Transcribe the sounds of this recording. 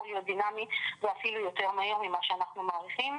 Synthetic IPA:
jod̪inamiveafilujo̞te̞ʁmahiʁmimaʃeanaχnumaːʁiχim

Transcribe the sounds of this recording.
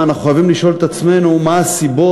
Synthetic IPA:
anaχuxojavimliʃo̞let̪at͡sme̞numaːsibo̞

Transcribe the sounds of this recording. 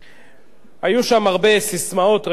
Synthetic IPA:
hajuʃamaʁbe̞sismao̞t̪ʁ

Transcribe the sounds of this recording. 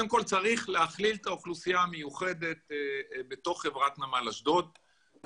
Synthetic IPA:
emko̞lt͡saʁiχleaχlilt̪aoχlusijaːmejuχe̞d̪e̞t̪̚be̞t̪o̞χːe̞vʁat̪namalaʃd̪o̞d̪̚

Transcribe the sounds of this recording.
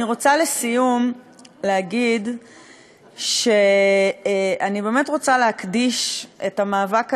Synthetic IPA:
iʁo̞t͡salesijum | leaɡid | ʃe | anibe̞ːme̞tʁo̞t͡saleɦakdiʃetamaːvak

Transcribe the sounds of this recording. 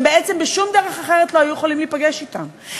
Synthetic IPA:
mbeett͡se̞mbeʃumd̪eʁeχaχeʁetlo̞ajujeχolimliːpaɡeʃitam

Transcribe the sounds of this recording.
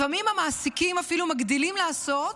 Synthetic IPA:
famimamaːsikimafilumaɡd̪ilimlaːso̞t̪

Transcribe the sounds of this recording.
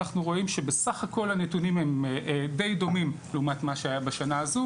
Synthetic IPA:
aχnuʁo̞imʃe̞besaχako̞lhanetunimemd̪e̞jd̪o̞mimleumat̪maʃeajabaʃanaːzu

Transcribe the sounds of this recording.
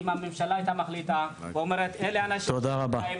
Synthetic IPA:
mamimʃalaajt̪amaχlit̪aveo̞meʁet̪eleanaʃt̪od̪aʁabai

